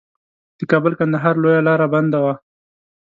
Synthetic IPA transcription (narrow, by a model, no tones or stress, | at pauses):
d̪̥əkɑbəlkand̪aɦɑɾlojalɑɾaband̪awa